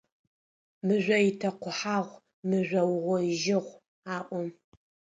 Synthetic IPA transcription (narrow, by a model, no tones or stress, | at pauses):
mɨʒʷɐitʰɐqʷʊħaːʁʷ | mɨʒʷɐwʁʷɔʒɪʁʷ | aːʔʷɔm